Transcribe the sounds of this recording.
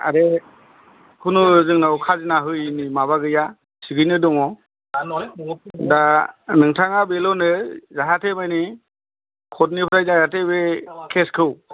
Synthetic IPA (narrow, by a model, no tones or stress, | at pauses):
a̰ɾe | hʰunuzɯŋnawkʰazinaɦɯjnimaβaɡɯja | siɡɯjnɯdɔŋɔ | danɯŋtʰaŋabelɔnɯzaɦatʰemajni | kʰɔtnipʰɾajnajatebekʰeskʰɯw